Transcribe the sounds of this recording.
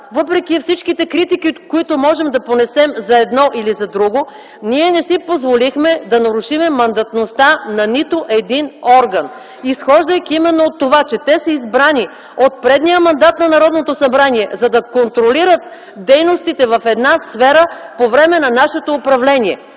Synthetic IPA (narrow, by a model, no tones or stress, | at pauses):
vɤpɾɛkifsit͡ʃkit̪ɛkɾit̪ikikoit̪omɔʒɛmd̪ɐponɛsɛmzɐɛd̪nɔʔilizɐd̪ɾuɡo | niɛnɛsipozvolixmɛd̪ɐnɐɾuʃimɛmɐnd̪ɐt̪nost̪anɐnit̪oʔɛd̪inɔɾɡɐn | isxɔʒd̪əjkʲiimɛnːoːt̪ːovat͡ʃɛt̪ɛsɐizbɾani | ot̪̚pɾɛd̪nijəmɐnd̪at̪nɐnɐɾɔd̪not̪osɐbɾaniɛzɐd̪ɐkont̪ɾoliɾət̪̚ | d̪ɛjnost̪it̪ɛvɐfɛd̪nasfɛɾəpovɾɛmɛnɐnaʃɛt̪oːpɾɐvlɛniɛ